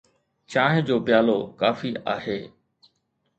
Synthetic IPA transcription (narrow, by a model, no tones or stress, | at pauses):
t͡ɕaːɦɪ̃d͡ʑoːpɪjaːlokaːfiaːɦeː